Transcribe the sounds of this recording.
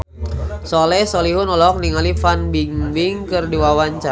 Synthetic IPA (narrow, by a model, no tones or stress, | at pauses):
sɔlɛsɔliɦʊnɔlɔk̚niŋalifanbiŋbiŋkɨrdiwawaɲt͡ʃa